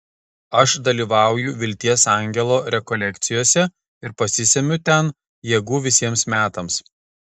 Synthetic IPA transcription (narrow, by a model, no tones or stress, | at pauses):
ɐʃd̪ɐlʲiːʋɑˑʊjʊʋʲɪlʲt̪ʲiɛsɑˑŋʲɡʲɛlˠoːɾʲɛkɔlʲɛkt̪sʲɪjoːsʲɛ | ɪɾpɐsʲɪsʲɛmʲʊt̪ʲɛn | jɛɡuːʋʲɪsʲiɛmsmʲæːt̪ɐms